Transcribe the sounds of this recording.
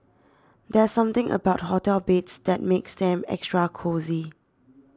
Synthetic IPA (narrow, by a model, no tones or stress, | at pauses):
d̪ɛsːãmt̪ɪ̃ŋʔə̰baʊt̚hotɛlbetsd̪ɛt̚meksd̪ɛ̃mɛ̰kstɹakʰozi